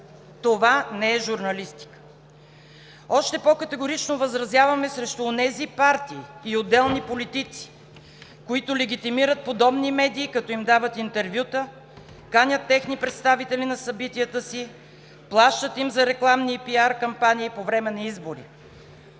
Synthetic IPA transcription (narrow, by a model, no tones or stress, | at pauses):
t̪ovanɛɛʒuɾnɐlist̪i̥kə̥ | ɔʃt̪ɛpɔkət̪ɛɡoɾit͡ʃnovɐzɾɐzʲjavɐmɛsɾɛʃt̪ʊonɛzipaɾt̪iːod̪ːɛlˠnipolit̪it̪si̥ | koit̪ʊlɛɡ̟ʲit̪imiɾət̪̚pod̪ɔbnimɛd̪iːkɐt̪ɔimd̪avət̪int̪ɛɾvʲjut̪ə | kanʲət̪ːɛxnipɾɛt̪st̪avit̪ɛlinɐsɐbit̪iət̪əsi | plˠaʃt̪ət̪imzɐɾɛklˠamnipiaɾkɐmpaniːpovɾɛmɛnɐizboɾḭ